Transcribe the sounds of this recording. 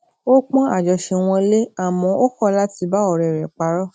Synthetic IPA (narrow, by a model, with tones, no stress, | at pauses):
o˦k͡pɔ̃˦a˦˨d͡ʒɔ˨ʃe˧w̃ɔ̃˧le˦a˨mɔ̃˧o˦kɔ˦la˦ti˧ba˦ɔ˨ɾɛ˨ɾɛ˨k͡pa˧˦ɾɔ˦